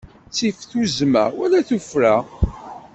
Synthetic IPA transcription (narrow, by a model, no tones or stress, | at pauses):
t͡sːifθuzmæ̰ɾwælæθufɾæ